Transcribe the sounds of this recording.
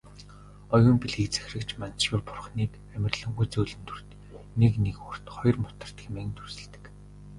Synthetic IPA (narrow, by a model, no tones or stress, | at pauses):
ɔjʊːmpiɮɣiːk̚t͡sæ̥xʲrɘ̆kt͡ɕʰmanʃjʊrpʊrχniːt̪ | æmʲɪ̆rɮɘ̆ŋxujt͡sɵːɮɘ̆nt̪ʰu̥r̥t̪ | neknekur̥t̪χɔj̆rmʊt̪ə̆r̥t̪xemĕːnt̪ʰursɘ̆ɮt̪ɘ̥̆k